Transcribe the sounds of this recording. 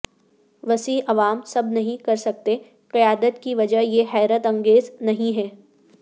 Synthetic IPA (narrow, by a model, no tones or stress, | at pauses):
ʋɐsiːʔɐʋaːmsɐbnɐɦĩkɐɾsɐk̚t̪e | qɪjaːd̪ət̪kiʋɐd͡ʒəɦjeɦɛːɾət̪ɐ̃ŋɡeːznɐɦĩɦɛː